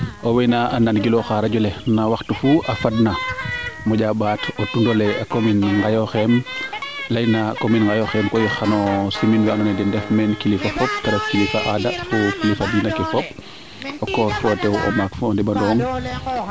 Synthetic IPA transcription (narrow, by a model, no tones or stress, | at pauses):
ʔɔwɛnaananɡilɔxaɾaɟɔlɛnawaxtufuʔɐfadnamɔɟaɓaːtɔtundɔlɛakominŋɡajɔxɛm | lɐjnakominŋɡajɔxɛmkɔjixanɔsiminwɛanɔnɛdɛndɛfmɛnkilifafɔp̚tɐɾokkilifaʔadafukilifabinakɛfɔp̚ | ɔkɔfɔtɛwɔ̰makfuɔndibadɔːŋ